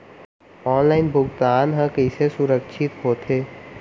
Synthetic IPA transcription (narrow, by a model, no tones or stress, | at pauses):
ɔːnlaːɪnbʱʊɡt̪aːnɦə̃kəɪsesʊɾəkʃʰɪt̪ɦoːt̪ɦeː